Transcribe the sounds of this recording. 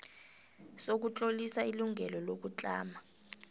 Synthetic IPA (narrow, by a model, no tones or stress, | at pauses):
sok̬ut͡ɬʼolisailuŋʱɛlɔlok̬ut͡ɬʼaːma